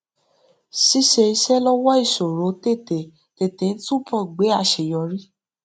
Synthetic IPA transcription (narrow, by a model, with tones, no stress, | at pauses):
si˦ʃe˧i˧ʃɛ˦lɔ˦wɔ˦i˦˨ʃo˨ɾo˨˦te˦˨te˨ | te˨te˨n̩˦tũ˦pʰɔ˦˨ɡ͡be˨˦a˦˧˨ʃe˨jɔ˨˧ɾi˦